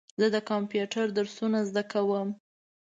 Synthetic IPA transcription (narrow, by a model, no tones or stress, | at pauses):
zəd̪əkɑmpjuʈaɾd̪əɾsunazd̪akawəm